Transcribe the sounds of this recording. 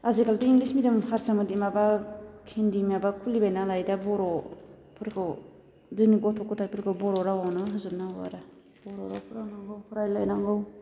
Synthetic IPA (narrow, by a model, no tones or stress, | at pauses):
azekaldiiŋɡlismidɯmhaɾsamɯdimabakʰendimiabakʰulibajnalajdabɔɾɔ | pʰɯɾkʰɯw | zɯniɡɔtʰɔkːɔtʰajpʰɯɾkʰɯwbɔɾɔɾawawnɯɦɯzɯp̚nawa̰ɾa | b̥ɔɾɔɾa̰wpʰɯɾawnaŋɡɯwpʰɯɾajlajnaŋɡɯw